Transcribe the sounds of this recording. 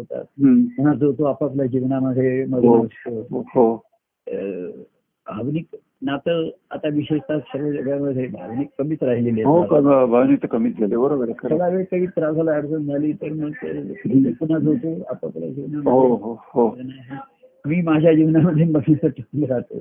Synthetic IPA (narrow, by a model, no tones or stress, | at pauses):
ɦot̪a̰t̪̚muɦad͡zot̪oapapljad͡ʑiʋnaməd̪ʱjeməd͡zəst̪oɦo | bʱaʋnik | nat̪əa̰t̪aʋiɕeʂt̪aɕəɾʋəd͡ʑəɡɭjaməd̪ʱjebʱa̰ʋnikːəmiːt͡sɾaɦilileɦoaəbʱaʋnikt̪əkəmiːt̪ɡʱelebəɾobəɾekəəlaʋekaɦiːt̪ɾad͡zalaəɾd͡zənd͡zʱaliːt̪əɾməɡut̪epun̤ad͡zɦot̪ua̰paplja̰d͡ʑiʋnaməɦoɦohonaɦi | miːmad͡ʑʱjad͡ʑiʋnaməd̪ʱːjeməɡit͡səʈʰəknəɾat̪o̰